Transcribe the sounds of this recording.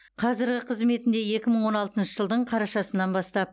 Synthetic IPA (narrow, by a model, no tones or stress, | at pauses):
qʰɑzɪɾɡʲɪqʰəzme̞t̪ɪnd̪e̞je̞kʲɪməɴwo̞nɑlˠt̪ənʃəʒəlˠd̪əɴqʰɑɾɑʃɑsənɑnbɑst̪ɑp̚